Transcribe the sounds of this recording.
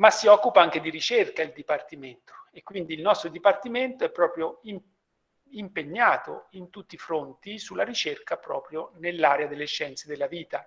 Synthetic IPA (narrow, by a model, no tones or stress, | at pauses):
masːiɔkːupaaŋk̟ed̪iɾit͡ʃerkaild̪ipart̪iment̪o̥ekːwind̪iːlnɔst̪ɾod̪ipart̪iment̪oɛpːɾɔːpɾjoim | impeɲːaːt̪o̰int̪ut̪ːifɾont̪isulːaɾit͡ʃerkapɾɔːpɾjonelːaːɾead̪elːeʃːɛnt̪sed̪elːaviːt̪a